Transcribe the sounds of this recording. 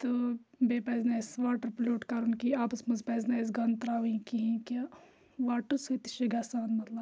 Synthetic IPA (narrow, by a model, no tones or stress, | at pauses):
t̪o | beːpɐːznesʋaːʈɐɾploːʈkaɾunkiaːpɐsmɐzpɐːzneːs̬ɡɐnt̪ɾaːʋikiɦĩka | ʋaːʈəset̪i̥ʃeɡaːsaːnmɐt̪lɐb